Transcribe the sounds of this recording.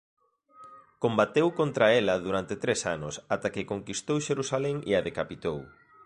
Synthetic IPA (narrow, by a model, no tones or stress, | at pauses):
kombat̪ewkont̪ɾaɛlɐðuɾant̪et̪ɾesa̰nʊsat̪akɪkoŋkist̪owʃeɾusalɛŋeaðekapit̪ow